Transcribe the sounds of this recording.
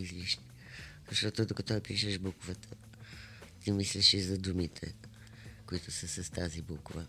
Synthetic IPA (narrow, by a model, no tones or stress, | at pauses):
izliʃt̪i | z̥ɐʃt̪ɔt̪od̪okɐt̪ɔpiʃəʃbukʊvət̪ʰə | t̪imisliʃizɐd̪umit̪ʰɛ̰ | kʊit̪ʊsəsɐst̪azibukʊvə